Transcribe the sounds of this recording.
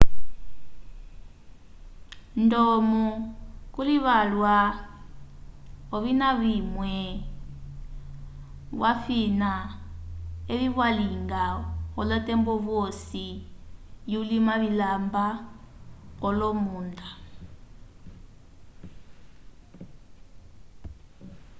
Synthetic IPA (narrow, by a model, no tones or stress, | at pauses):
ndɔmɔkuliβalwa | ɔβinaβimwɛ | βwafina | eβiβwaliŋɡaɣɔlɔtɛmbɔβɔsi | julimaβilamba | ɣɔlɔmuːnda